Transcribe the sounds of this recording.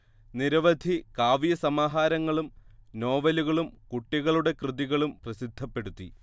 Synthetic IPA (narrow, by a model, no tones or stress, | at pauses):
niɾɐʋɐd̪ʱikaːʋijɐsɐmaːɦaːɾɐŋːɐɭumno̞ːʋɐluɣɐɭumkuʈːiɣɐɭuɽe̞krɨðiɣɐɭumprɐsid̪ʱːɐpːe̞ɽut̪ːi